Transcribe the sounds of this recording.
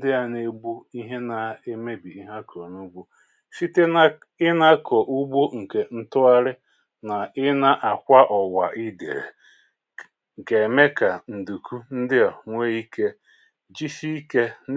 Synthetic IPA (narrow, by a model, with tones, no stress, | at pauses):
n˦dɪ˦a˨ne˨bu˦i˦ɦe˦na˨e˦me˦bi˨i˦ɦa˦kʰɔ˨nu˦ɡ͡bu˦ | si˦te˦ | ɪ˦na˦kʰɔ˨ʔu˦ɡ͡bo˦ŋ̩˨ke˨n̩˦tʊ˦a˦ɾɪ˦ | na˨ɪ˦na˦ʔa˨kʷa˦ʔɔ˨wa˨ʔi˦dḛ˨ɾḛ˨ | ŋ̩˨ke˨e˨me˦ka˨n̩˨du˨kʰu˦n̩˦dɪ˦a˨ŋʷe˦i˦ke˦ | d͡ʒi˦ʃi˦i˦ke˦